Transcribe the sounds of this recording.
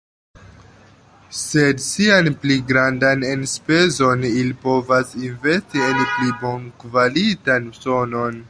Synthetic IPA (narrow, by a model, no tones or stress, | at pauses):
se̞dsianpliɡɾandanenspe̞zo̞nilipo̞vasinve̞stienplibo̞nkvalitanso̞no̞n